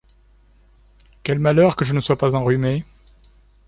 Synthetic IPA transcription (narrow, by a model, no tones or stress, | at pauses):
kʲɛlmalœʁkəʒənəswapazɑ̃ʁyme